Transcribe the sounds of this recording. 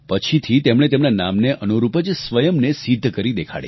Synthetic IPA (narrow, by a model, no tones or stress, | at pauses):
pət͡ʃʰit̪ʰit̪emɽ̃et̪emnana̰mneʔʔənuɾupəd͡ʒsʋəjəmnesid̪ʱːəkəɾid̪ekʰa̰ɽḛ